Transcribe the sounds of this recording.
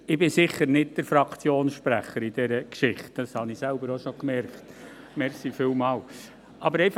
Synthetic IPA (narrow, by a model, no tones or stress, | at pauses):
ɪbɪsɪχəɾnɪt̚d̥əɾfɾɑkt͡sjoːnsʃpɾæχəɾid̥ɛɾəkʃɪχtd̥ɑshɑnɪsælbəɾoʃokmɛɾkt | mɛɾksifɪːlmɑːl | ʔɑbəɾɛɪf